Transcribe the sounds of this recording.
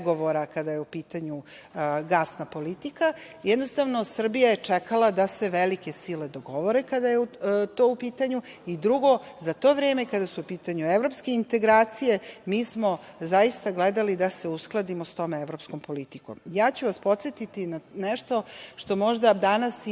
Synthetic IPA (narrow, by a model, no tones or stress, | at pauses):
ɡoʋo̞ɾakad̪ajeupiːt̪aɲu | ɡaːsnapo̞lit̪ikajɛd̪no̞st̪aʋno̞sr̩bijajet͡ʂekalˠad̪ase̞ʋelike̞siled̪oɡo̞ʋo̞ɾekad̪ajeut̪o̞ːupiːt̪aɲuid̪ɾuɡo̞zat̪o̞ːʋɾeːme̞ikad̪asuupiːt̪aɲueʋɾo̞pske̞int̪e̞ɡɾaːt̪sije̞miːsmo̞zajist̪aɡled̪alid̪ase̞usklˠad̪imost̪o̞ːmeʋɾo̞psko̞mpolit̪ikomjaːt͡ɕuʋaspo̞t̪set̪it̪inaneʃt̪o̞ʃt̪o̞mo̞ʒd̪ad̪anas